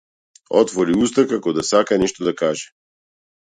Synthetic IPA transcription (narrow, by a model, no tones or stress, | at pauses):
ɔt̪vɔɾiust̪akakɔd̪asakanɛʃt̪ɔd̪akaʒɛ